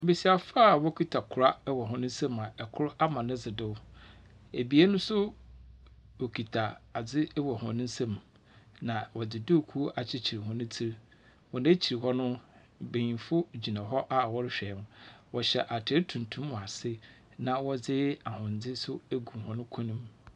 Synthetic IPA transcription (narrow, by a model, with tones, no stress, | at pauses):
be˨si˨a˨faː˦˨wɔ˦kʰi˦tʰa˨kʰʊ˨ɾa˦wɔ˨ɦɔ̃˦nʊ̃˦n̩˦sɛ̃˦mã˨ɛ˨kʰʊ˦ɾʊ˦ʔa˦mã˨nʊ̃˦d͡zɪ˨dɪ˦w | e˨bi˨˦e˦nʊ̃˦sʊ˦ | wɔ˨kʰi˨tʰa˨a˨d͡zɪ˦wɔ˨hɔ̰̃˨nʊ̃˦n̩˦sẽ˦m | nã˨wɔ˨d͡zɪ˨dʊ˦˨kʰu˦ʔa˨t͡ɕʰɪ˦t͡ɕʰi˨ɾi˨hɔ̃˦nʊ̃˦t͡sʰi˦ɾ | wɔ˨nã˦t͡ɕʰi˨ɾi˨hɔ˦nʊ̃˦ | be˨ɲĩ˨fʊ˦d͡ʑi˨nã˨ɦɔ˦ʔa˦˨wɔ˦ɾɪ˦ɕᶣɛ˨˦n˦wɔ˨ɕɛ˨ʔa˨tʰɪ˨ɛ˦tʰũ˨ntʰũ˦m˦wɔ˨a˨sɪ˦ | nã˨wɔ˦d͡zɪ˦a˨hʊ̃˨n̩˨d͡zɪ˦sʊ˦æ˦ɡũ˨hɔ̃˦nʊ̃˦kʰɔ˦nĩ˦m